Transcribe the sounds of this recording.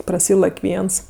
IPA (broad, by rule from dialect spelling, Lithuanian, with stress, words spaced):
prɐˈsʲiːlˠɐkʲ ˈʋʲiɛns